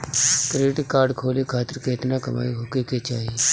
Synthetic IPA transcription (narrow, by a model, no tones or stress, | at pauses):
kɾeːʈkaːɾɖkʰoːlekʰaːt̪əɾkeɪt̪nakɐma̰ːiɦoːkeket͡ʃaːɦie